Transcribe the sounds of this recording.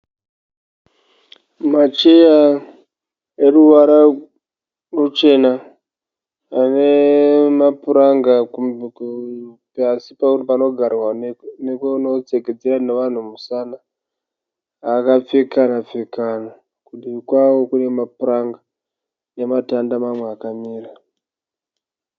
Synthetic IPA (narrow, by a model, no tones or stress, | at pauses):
mat͡ʃe̞ja | eruʋaɾa | rut͡ʃe̞na | ane̞mapuɾaŋɡa | pasipakutipano̞ɡʱaɾwanekouno̞t͡seɡed͡zeraneʋan̤umusana | kap͡fekanap͡fekana | kuɗiikwawo̞kune̞mapuɾaŋɡa | nematandamamweakamiːra